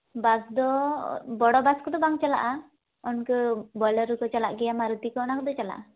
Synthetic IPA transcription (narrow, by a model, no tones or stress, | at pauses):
basd̪ɔbɔɽɔbaskɔd̪ɔbaŋt͡ʃala̰ʔa | ɔnkəbɔləɾukɔt͡ʃalaʔɡɛjamaɾut̪ikɔɔnakɔd̪ɔt͡ʃala̰ʔa